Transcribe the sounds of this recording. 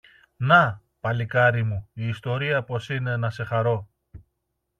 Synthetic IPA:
nɐ | pɐlikɐɾimuiːst̪o̞ɾiɐpo̞sine̞nɐse̞xɐɾo̞

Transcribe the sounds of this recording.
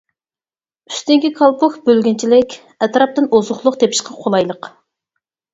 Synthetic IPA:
y̥st̪ɪŋkʲikʰɑlˠpʊkbølɡʲint͡ʃʰilɪkʲ | ɛt̪ɾɑp̚t̪ɨnʔozʊχlˠʊqt̪ʰepʰɪ̥ʃqʰɑqʰolˠɑjlˠəq

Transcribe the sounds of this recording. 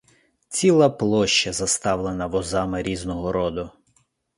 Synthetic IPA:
t͡sʲilˠɑplˠɔʃt͡ʃɐzɐst̪ɑwlˠenɐʋɔzɑmɪɾʲiznɔɦɔɾɔd̪ʊ

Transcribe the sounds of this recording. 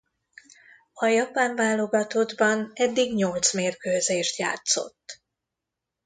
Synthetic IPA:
ɒjɒpaːɱvaːlo̞ɡɒt̪o̞d̪bɒnɛd̪ːiɡɲo̞lt̪smeːrkøːzeːʃt̪ja̰ːt̪so̞̰t̪ː

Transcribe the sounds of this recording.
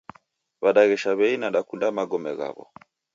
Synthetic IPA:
βaɗaɣɛʃaβɛinaɗakundamaɡɔmɛɣa̰βɔ̰

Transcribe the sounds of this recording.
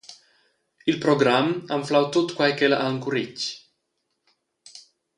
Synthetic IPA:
ilpɾoɡɾamaɱflawt̪ot̪kwajkelaʔaəŋkurit͡ʃ

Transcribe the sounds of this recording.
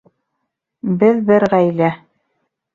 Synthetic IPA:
bɘðbɘɾʁæjlæ

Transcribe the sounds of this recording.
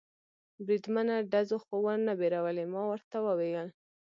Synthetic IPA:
bɾid̪manaɖazoxowaɾnabeɾawəlemɑwəɾt̪awəweɡal

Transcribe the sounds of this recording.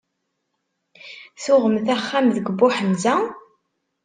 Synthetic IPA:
θʊʁəmθæχːæmðəɡbːʊħəmzæ

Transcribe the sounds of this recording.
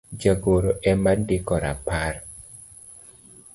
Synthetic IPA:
d͡ʒaɡoɾoʔɛmandɪkɔɾa̰par

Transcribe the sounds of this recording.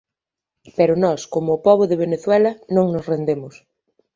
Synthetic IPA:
peɾʊnɔskomʊːpɔβ̞ʊðeβ̞eneθwɛlɐnõŋnʊsrend̪emʊs

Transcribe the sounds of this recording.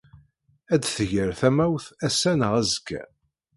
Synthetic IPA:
æd̪θəʝəɾθæmæwθæsːænəʁæzəɡæ̰

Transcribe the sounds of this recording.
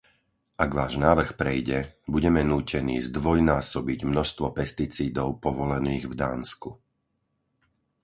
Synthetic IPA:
ʔaɡʋaːʒnaːʋr̩xpɾɛjɟɛbuɟɛmɛnuːcɛnḭːzd̪ʋɔjnaːsɔbiɟmnɔʃst̪ʋɔpɛst̪it͡siːd̪ɔʊpɔʋɔlɛniːɣvd̪aːnsku

